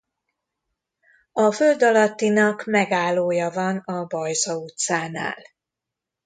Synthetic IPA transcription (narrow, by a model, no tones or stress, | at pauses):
ɒfø̞ld̪ɒlɒt̪ːinɒkmɛɡaːlːoːjɒvɒnɒbɒjzɒut̪saːna̰ːl